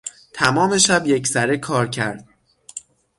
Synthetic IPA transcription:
t̪ʰæmɒːme̞ʃæbje̞cʰsæɾekʰɒːɾcʰæɾd̪̥̚

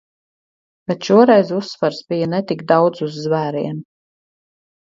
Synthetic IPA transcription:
bɛt̪ʃuɔɾɛjzusːvaɾsbijanɛt̪ikd̪awd̪zuzːvæːɾiɛn

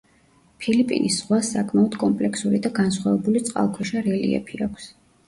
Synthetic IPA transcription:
pʰilipʼḭnisːʁwasakʼmaɔd̪kʼɔmpʼlɛkʰsuɾid̪aɡansχwavɛbulit̪sʼqʼa̰lˠkʰwɛʃaɾɛlḭɛ̰pʰiakʷʰs

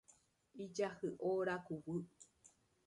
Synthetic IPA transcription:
id͡ʒahɨʔoɾakuwɨ

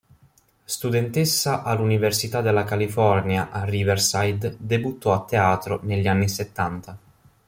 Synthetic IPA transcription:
st̪ud̪ɛnt̪esːaʔalːuniversit̪ad̪elːakalifɔrnjaʔarːiversajd̪d̪ebut̪ʰːɔat̪ːeaːt̪ɾoneʎːianːiset̪ːant̪a

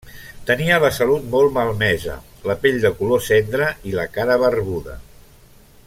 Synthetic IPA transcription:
t̪əniələsəlut̪̚molˠməlˠmɛzə̰ləpeʎd̪əkulosɛnd̪ɾəiləkaɾəβərβuðə̰

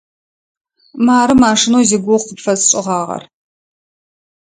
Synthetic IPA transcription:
maːɾɨmaːʂɨnoːziɡʷʊqəpfɐzt͡ʃʼɪʁɑːʁɐ̰r

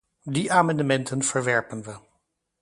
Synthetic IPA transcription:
diʔaːmɑndəmɛntʰənv̥əɹʋɛɹpənʋə

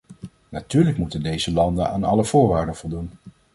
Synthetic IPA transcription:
natyːɹləkmutəndejzəlɑndəna̰ːnɑləv̥ʊːɹʋaːɹdənv̥ɔlˠdun

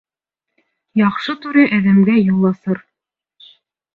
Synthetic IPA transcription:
jɑqʃɤt̪ʉɾɘʔæðæmɡæjŏlˠːɑsɤɾ

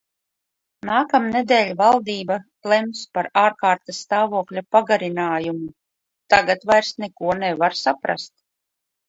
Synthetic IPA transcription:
naːkamned̪ɛːlʲvalˠd̪iːba | lˠɛmspaɾaːɾkaːɾt̪asːt̪aːvuɔklʲapaɡaɾinaːjumu | t̪aɡat̪vajɾsnekuɔnɛvaɾsapɾa̰st̪̚

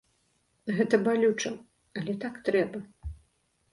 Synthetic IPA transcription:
ɣɛt̪ɐbalʲut͡ʂɐ | ɐlʲɛt̪akt̪ɾɛbɐ

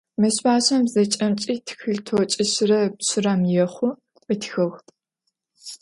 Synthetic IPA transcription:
mɐɕbaːɕɐmzɐt͡ʃʼɐmt͡ʃʼiːtʰxɨɮtʰoːt͡ʃʼɪɕrɐpɕɪrɐmjɛχʷʊ | ɨtʰxɐxtʼ

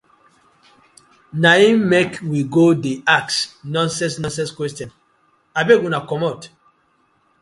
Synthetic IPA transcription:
naĩmekwiɡodeaksnɔ̃nsɛ̃nsnɔ̃nsɛ̃nskwɛstjɔ̃n | abeɡũnakɔmɔt

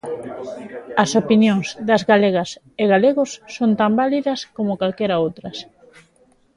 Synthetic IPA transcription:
ɐsopinjoŋzðɐzɣaleɣ̞ɐs | eɣaleɣʊsːont̪ambaliðɐskomokalkeɾaowt̪ɾɐs

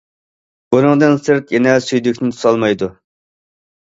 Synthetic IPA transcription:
bunɨŋd̪ɨnsɨɾt̪jɛnɛsyjd̪ykʲnɪt̪ʰu̥sɑlˠmɑjd̪u

